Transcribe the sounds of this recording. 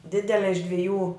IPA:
ˈdʲɪdʲɛlʲɛ ɪʃ dʲʋʲɪˈjuː

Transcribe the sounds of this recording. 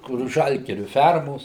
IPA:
kʊr ˈʒɐlʲɡʲɪrʲʊ ˈfʲɛrmoːs

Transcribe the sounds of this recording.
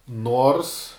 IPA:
ˈnoːrs

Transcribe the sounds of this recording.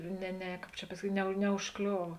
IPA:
nʲɛ ˈnʲɛ ˈkɑːp t͡ʃʲɛ pɐsɐˈkʲiːtʲ nʲɛ nʲɛʊʃˈklʲoːʋɐ

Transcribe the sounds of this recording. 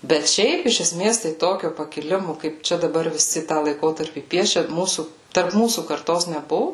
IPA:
bʲɛt ˈʃʲɛɪp ɪʃ ɛˈsʲmʲeːs tɐɪ ˈtoːkʲoː pɐkʲɪˈlʲɪmoː kɐɪp ˈt͡ʃʲɛ dɐˈbɐr ʋʲɪˈsʲɪ tɑː lˠɐɪˈkoːtɐrʲpʲiː ˈpʲiɛʃʲɛ ˈmuːsuː tɐrp ˈmuːsuː kɐrˈtoːs nʲɛˈbʊʋʊ

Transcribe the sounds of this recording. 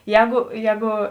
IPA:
ˈjɛːɡʊ ˈjɛːɡʊ

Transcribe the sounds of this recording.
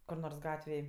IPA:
kʊr ˈnoːrs ˈɡɑːtʲʋʲeːj

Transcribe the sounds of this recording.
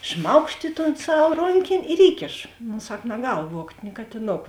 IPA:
ˈʃmɐʊkʃt ɪ toːn ˈsɐw ˈroːŋʲkʲeːnʲ ɪr ˈiːkʲeːʃoː noː ˈsɐk nɐˈɡɐlˠ ˈʋuɔktʲ nʲɪ kɐtʲɪˈnoːk

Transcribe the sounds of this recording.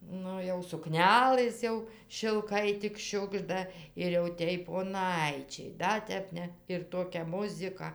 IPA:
ˈnʊ jɛʊ sʊˈknʲæːlˠɘs jɛʊ ʃʲɪlˠˈkɐɪ tʲɪk ˈʃʲʊɡʒdɐ ɪr jɛʊ ˈtʲeːj poːˈnɐɪt͡ʃʲɛɪ ˈdɐ tʲɛp ˈnʲɛ ɪr ˈtoːkʲɛ ˈmʊzʲɪkɐ

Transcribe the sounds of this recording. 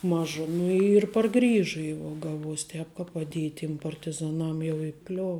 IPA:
ˈmɑːʒɐ ˈnʊ ɪr pɐrˈɡrʲiːʒʊ jɛʊ ˈɡɑːˌʋuɔsʲ ˈtʲɛːp kɐ pɐˈdʲiɛj tʲiɛm pɐrʲtʲɪˈzɑːˈnɐm jɛʊ ɪˈklʲoːw

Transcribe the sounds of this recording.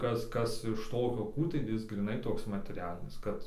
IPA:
ˈkɐs ˈkɐs ɪʃ ˈtoːkʲoː ˈkuː tɐɪ ˈjɪs ɡrʲiːˈnɐɪ ˈtoːks mɐtʲɛˈrʲæːlʲɪnʲɪs ˈkɐt

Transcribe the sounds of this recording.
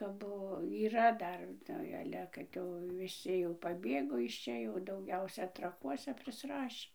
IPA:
kɐp ˈbʊʋoː iːˈrɐ ˈdɐr ˈnʊ ˈɑːlʲɛ kɐt jɛʊ ʋʲɪˈsʲɪ jɛʊ pɐˈbʲeːɡoː ɪʃ ˈt͡ʃʲɛ jɛʊ dɐʊˈɡʲɛʊsʲɛ trɐˈkuɔsʲɛ pʲrʲɪsˈrɑːʃʲiː

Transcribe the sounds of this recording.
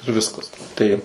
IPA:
ɪr ˈʋʲɪskɐs ˈtɐɪp

